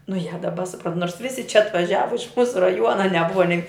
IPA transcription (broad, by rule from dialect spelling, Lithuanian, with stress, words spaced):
nʊ jɛ dɐˈbɐ sʊˈprɐnt noːrs ˈʋʲɪsʲɪ t͡ʃʲɛ ɐtʋɐˈʒʲæːʋɐ ɪʃ ˈmuːsʊ rɐˈjuɔnɐ nʲɛˈbʊʋɐ nʲɛɪ